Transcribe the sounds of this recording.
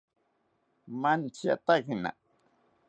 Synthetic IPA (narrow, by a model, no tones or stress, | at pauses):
mant͡ʃia̰t̪akna̰